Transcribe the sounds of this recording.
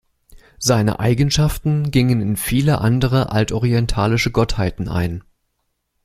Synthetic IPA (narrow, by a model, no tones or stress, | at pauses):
z̥aɪnə̰ʔa̰ɪɡn̩ʃaftn̩ɡɪŋənɪnfiːləʔandəʁ̞əʔa̰ltʔɔʁiɛntʰaːlɪʃəɡɔthaɪtn̩ʔa̰ɪn